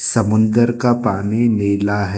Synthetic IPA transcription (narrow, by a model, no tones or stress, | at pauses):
sɐmʊ̃nd̪əɾkapaːnineːlaɦɛ